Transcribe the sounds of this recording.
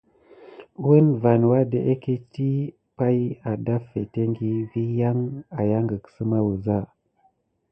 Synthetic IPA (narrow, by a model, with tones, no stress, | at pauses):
wu˦nva˨nwa˦de˨ʔe˦ke˦ti˦ | pa˦ja˨da˦fe˨te˦ŋɡi˦vi˦ja˦ŋa˨ja˦ŋɡə˨ksə˦ma˦wu˨za˦˨